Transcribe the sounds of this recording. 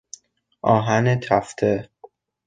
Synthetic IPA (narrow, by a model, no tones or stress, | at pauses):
ʔɒːɦænet̪ʰæft̪ʰe